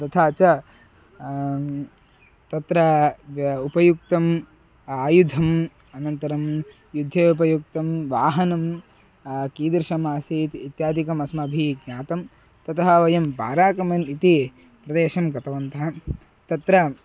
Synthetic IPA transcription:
t̪ɐt̪ʰaːt͡ʃɐ | t̪ɐt̪ɾɐ | upɐjuk̚t̪ɐm | aːjud̪ʱɐm | ɐnɐnt̪ɐɾɐm | jud̪ʱeːupɐjuk̚t̪ɐmʋaːɦɐnɐm | kiːd̪ɾʃɐmaːsiːt̪it̪jaːd̪ikɐmɐsmɐːbʱiɡɲaːt̪ɐm | t̪ɐt̪ɐɦɐʋɐjɐmba̰ːɾaːkɐmɐnit̪i | pɾɐd̪eːʃɐmkɐt̪ɐʋɐnt̪ɐɦɐ | t̪ɐt̪ɾɐ

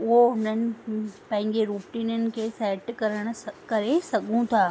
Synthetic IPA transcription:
ʊɦoʊn̤ənɪ̆pɐ̃ɦɪ̃ɲd͡ʑeɾuːʈiːnənɪ̆kʰeːsɛːʈkɐɾəɽ̃ʊkɐɾesɐɠʱũt̪ʰaː

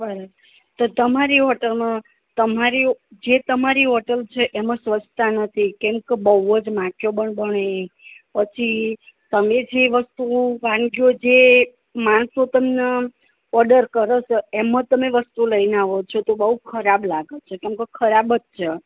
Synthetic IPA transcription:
bəɾə | t̪ot̪əmaɾiɔʈəlmã | t̪əmaɾid͡ʒet̪əmaɾiɦɔʈəlt͡ʃʰeʔemãsʋət͡ʃʰt̪anət̪ʰikɛ̃mkəbəuəd͡ʒmãkʰjobəɳbəɳepət͡ʃʰit̪əmed͡ʒeʋəst̪uʋãŋɡjod͡ʒe | maɳsot̪əmne | ɔɾɖəɾkəɾət͡ʃemãt̪əmeʋəst̪uləinaʋot͡ʃʰot̪obəɦukʰəɾablaɡət͡ʃʰekɛ̃mkekʰəɾabətt͡ʃʰe

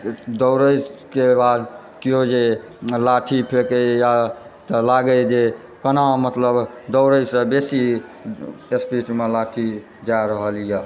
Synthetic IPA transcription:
d̪əwɾəjkebad̪ | kiod͡ʒe | laʈʰipʰekəjat̪əlaɡəd͡ʒe | kənamət̪ləbd̪əʊɾəjsə̃besi | espismelaʈʰi | d͡ʒaɾəɦəlija

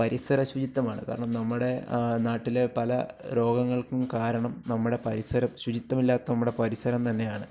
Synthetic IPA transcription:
pɐɾisɐɾɐɕʋud͡ʑit̪ːɐmaːɳɨ̰ka̰ːɾɐɳɐmnɐmːuɽe̞naːʈːile̞pɐlɐ̰ɾo̞ːɡɐŋːɐɭkumkaːɾɐɳɐmnɐmːuɽe̞pɐɾisɐɾɐmɕwut͡ɕit̪ːɐmilːaːt̪ːɐnɐmːuɽe̞pɐɾisɐɾɐmt̪ɐnːe̞jaːɳɨ

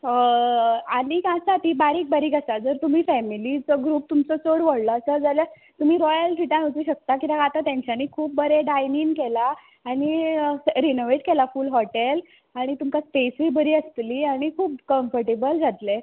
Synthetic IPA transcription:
anikasat̪iːbaɾiːk̚baɾiːkəsad͡zəɾt̪um̤iːfɛmilit͡sɔɡɾuːp̚t̪umt͡sɔt͡soɽʋəɽləːsəd͡zalja | t̪um̤iːɾɔjəlʈʰiʈ̪ãɦəwt͡siːɕək̚t̪akit̪aɡat̪at̪jãɲt͡ɕʰjaniːkʰuːp̚bəɾeɖajninkelaː | ɽ̃i | ɾinoʋeʈkelafuːlɦɔʈel | aɽ̃it̪umkaspesʋiːbəɾiːəst̪liːaɽ̃ikʰuːpkəmfəɾʈebəld͡zʱat̪le

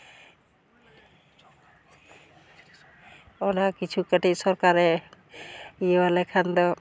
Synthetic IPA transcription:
ɔnakit͡ʃʰukəʈisɔɾkaɾɛ | iebalɛkʰand̪ɔ

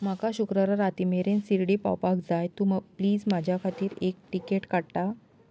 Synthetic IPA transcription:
makaɕukɾəɾaɾat̪imeɾensiɾɽiːpa̰wpakd͡zajt̪uməɡpliːd͡zmad͡ʑʱjakʰat̪iːɾek̚ʈikeʈkaɽʈ̪a

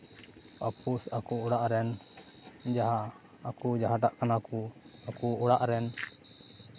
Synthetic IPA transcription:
papʰusakuɔɽaʔɾɛn | d͡ʒaɦaː | kud͡ʒaɦaʈaʔkanakuakuɔɽaʔɾɛn

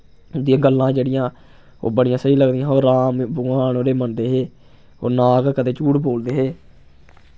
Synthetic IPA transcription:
d̪ɪjãːɡəlːãːd͡ʒeːɽɪjãː | o̰ːbəɽɪjãːsəiːləɡd̪ijãːoːɾaːmbʊaːnoːɾeːmənd̪eːɦeː | o̰ːnaːɡkəd̪eːt͡ʃuːʈboːld̪eːɦeː

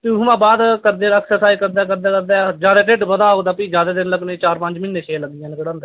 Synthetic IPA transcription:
t̪eusmãːbaːd̪kəɾd̪eːəksəɾsaːikəɾd̪aːkəɾd̪aːkəɾd̪aːd͡ʒjaːd̪aːʈeʈʋəd̪aːoːɡd̪aːpiːd͡ʒjaːd̪aːd̪ɪnləɡnẽːt͡ʃaːɾpə̃ɲd͡ʒmɪnːeːʃʰeːləɡɪjãːnɪkəɽãːnd̪aː

